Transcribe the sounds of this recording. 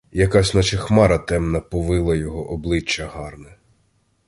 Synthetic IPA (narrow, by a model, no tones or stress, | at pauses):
jɐkɑsʲnɔt͡ʃɪxmɑɾɐt̪ɛmnɐpɔʋɪlˠɐjɔɦɔʔɔblˠɪt͡ʃːɐɦɑrnɛ